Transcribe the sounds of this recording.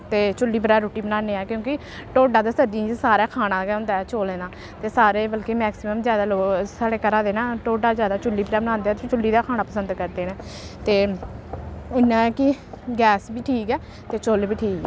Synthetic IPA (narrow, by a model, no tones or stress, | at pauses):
t̪eːt͡ʃʊlːiːbəɾɛːɾoːʈiːbənãːneːɛːkjõːkɪ | ʈoːɖãːd̪aːsəɖĩːsaːɾaːkʰaːnãːɡɛːʊnd̪aːɛt͡ʃoːleːnãː | t̪eːsaːɾeːbəlkeːmɛːksɪməmzjaːd̪aːloːsaːɽeːkəɾãːd̪eːnãːʈoːɖaːzjaːd̪aːt͡ʃʊlːiːbəɾɛːbənãːnd̪eːɛːt̪ːt͡ʃʊlːiːd̪aːkʰaːnaːpəsənd̪kəɾd̪eːnẽːt̪eː | ɪnãːkɪɡɛːsbiːʈʰiːkɛː | t̪eːt͡ʃoːlbiːʈʰiːkɛː